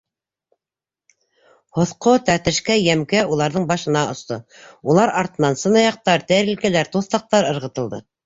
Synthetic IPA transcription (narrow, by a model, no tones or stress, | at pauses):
hŏθqot̪æɾt̪ɘ̆ʃkæjæmkæulˠɑɾðɤɴbɑʃɤ̆nɑʔŏst̪o | ulˠɑɾɑɾt̪ɤ̆nɑnsɤ̆nɑjɑq̚t̪ɑɾt̪æɾɘ̆lkælæɾt̪uθt̪ɑq̚t̪ɑɾɤ̆ɾʁɤ̆t̪ɤ̆lˠd̪ɤ